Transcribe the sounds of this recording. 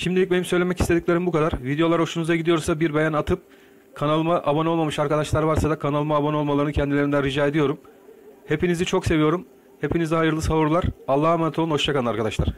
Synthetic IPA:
ʃimd̪ilʲic̚be̞nimsø̞jlʲemɛci̥st̪e̞d̪iclʲe̞ɾimbukʰad̪aɾvid̪ejo̞lˠaɾo̞ʃunuzaɟid̪ijo̞ɾsabiɾbejænat̪ʰɯp̚ | kʰanalˠmaʔabano̞lˠmamɯʃaɾkad̪aʃlˠaɾvaɾsad̪akʰanalˠmaːbano̞lˠmalˠaɾɯnɯcʰɛnd̪ilʲeɾind̪ænɾid͡ʒaːed̪ijo̞ɾum | he̞pʰinizit͡ʃʰo̞kse̞vijo̞ɾum | he̞pʰiniziɦajɯɾlˠɯsavuɾlˠaɾalˠːahamanat̪ʰono̞ʃt͡ʃʰakanaɾkʰad̪aʃlˠaɾ̥

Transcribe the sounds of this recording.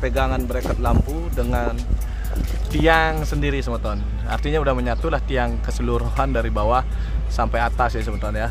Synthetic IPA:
pəɡaŋanbəɾekɔt̪̚lampudəŋan | t̪iaŋsəndiɾisəmət̪ɔn | a̰rt̪iɲaudahməɲat̪ulaht̪iaŋkəsəluɾuhandaɾibawa | sampajat̪asjasəmət̪ɔnja

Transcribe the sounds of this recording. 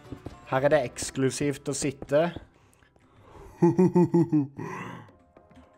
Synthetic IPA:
hæːʁæːd̪eːɛksklʉsiːft̪oːsɪt̪ːə

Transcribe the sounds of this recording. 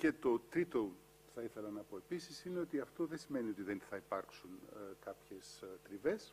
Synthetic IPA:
ce̞t̪o̞t̪ɾit̪o̞ | θɐiθe̞lɐnɐpo̞e̞pisisineo̞t̪iɐft̪o̞ðesime̞nio̞t̪iðenθɐipɐɾksuŋkɐpçe̞st̪ɾive̞s

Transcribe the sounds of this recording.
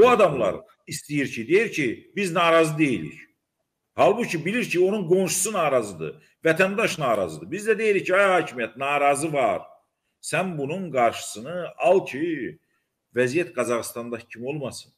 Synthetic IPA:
buɑd̪ɑmlˠɑ̰ɾ | ist̪ijiɾcʰid̪ejiɾcʰibiznɑːɾɑzɯd̪e̞jilḭç | hɑlˠbucʰibiliɾcʰio̞nunɡo̞nʃu̥sunɑːɾɑzɯd̪ɯ̰ | væt̪ʰænd̪ɑʃnɑːɾɑ̰zɯd̪ɯbizd̪æd̪e̞jilicʰːiɑjhɑːcʰimijæt̪nɑːɾɑzɯvɑɾ | sænbununɡɑɾʃɯ̥sɯnɯɑlˠcʰi | væzijæt̪̚ɡɑzɑɣst̪ɑnd̪ɑcʰimo̞lˠmɑsɯn

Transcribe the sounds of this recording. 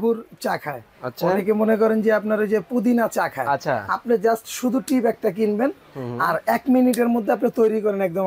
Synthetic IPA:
buɾt͡ɕakʰae | aonekemonekɔɾend͡ʑeapnaɾed͡ʑepud̪inat͡ɕakʰaea̰pned͡ʑasʈʃud̪ʱuʈipɛk̚ʈak̬inben | aɾɛkminiʈeɾmod̪ʱːeapnat̪ojɾikɔɾenɛk̚d̪o

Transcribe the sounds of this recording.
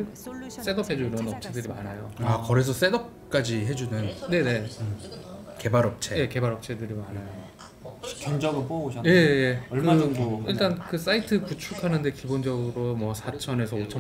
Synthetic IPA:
s͈e̞dʌpʰhe̞d͡ʑunɯnʌp̚t͡ɕʰe̞dɯɾimanajoakʌɾes̬ʰʌs͈e̞dʌp̚k͈ad͡ʑiɦe̞d͡ʑunɯnne̞ne̞ | ke̞baɾʌp̚t͡ɕʰe̞je̞ke̞baɾʌp̚t͡ɕʰe̞dɯɾimanajo | kjʌnd͡ʑʌɡɯnp͈oɡoɕʰaje̞je̞ʌɭɯaʌndoiɭt͈ankɯs͈aitʰɯput͡ɕʰukʰanɯnde̞kibond͡ʑʌɡɯɾomwʌsʰat͡ɕʰʌne̞sʰʌot͡ɕʰʌ

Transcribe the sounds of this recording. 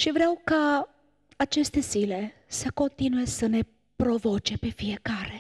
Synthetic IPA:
ʃivɾeawka | at͡ʃe̞st̪e̞zile̞ | səko̞nt̪inujesəne̞ | pɾo̞vo̞t͡ʃe̞pe̞fije̞kaɾe̞

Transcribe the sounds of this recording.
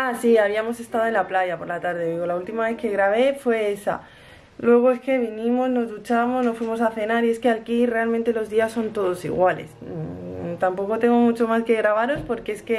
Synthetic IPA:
asiaβiamo̞se̞st̪aðo̞e̞nlaplaʝapo̞ɾlat̪aɾðeðiɣo̞lault̪imaβe̞θke̞ɣɾaβ̞e̞fwe̞esa̰ | lwe̞ɣ̞o̞eske̞β̞inĩmo̞zno̞zðut͡ʃamozno̞sfwimo̞s̬aθe̞naɾie̞skealkire̞almẽnt̪e̞lo̞zðiasːo̞nt̪o̞ðo̞sḭɣwale̞̰s | t̪ampo̞ko̞t̪e̞ŋɡo̞mut͡ʃo̞maske̞ɣɾaβ̞aɾo̞spo̞ɾkeeske̞

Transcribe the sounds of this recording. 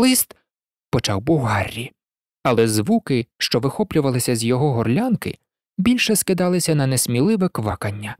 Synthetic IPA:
lˠɪst̪ | pɔt͡ʃɑwbʊɦɑrʲːi | ɐlˠɛzʋukɪʃt͡ʃɔʋɪxɔplʲʊʋɐlˠɪsʲɐzʲjɔɦɔɦɔrlʲankɪ̰ | bʲilʲʃɛskɪd̪ɑlˠɪsʲɐnɐnɛsʲmʲilˠɪʋɛkʋɑkɐnʲːɐ

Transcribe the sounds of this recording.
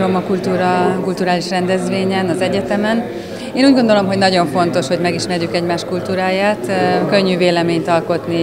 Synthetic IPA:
ɾomɒkult̪uːɾɒkult̪uɾaːliʃrɛnd̪ɛzʋeːɲɛnɒzɛɟɛt̪ɛmɛn | eːnuːɟɡo̞nd̪o̞lo̞mɦo̞ɟnɒɟo̞ɱfo̞nt̪o̞ʃho̞ɟmɛɡiʃmɛrjykɛɟmaːʃkult̪uːɾaːjaːt̪kø̞ɲːyveːlɛmeːɲt̪ɒlko̞t̪ni

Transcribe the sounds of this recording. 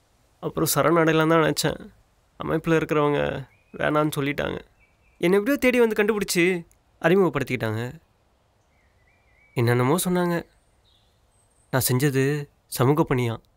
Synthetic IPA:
ɐpːɯɾõsɐɾʔɐnɐɽɐɪlːãnt̪ãːɛnɛt͡ʃːɛ̰̃ː | ɐmʔɐ̰ɪpːɪlɐɪɾɯkːɪɾɐʋɐŋɡɐ̰ | ʋḛːnaːnːɯsɔlːɪʈːa̰ːŋɡɐ̰ | ɛnːɐɛp̬ːɽɪjoːt̪eːɽiʋɐnd̪ɯkɐɳɖɯpɪɽɯt͡ʃːɯ | ɐɾɪmɐɣɐpɐɽɯt̪ːɪkːɪʈːaːŋɡɐ | ɛnːɐnːɐmoːsɔnːaːŋɡɐ | nãːsɛɲd͡ʒɐðɯ | sɐmuːɣɐpːɐɳːɪjãː

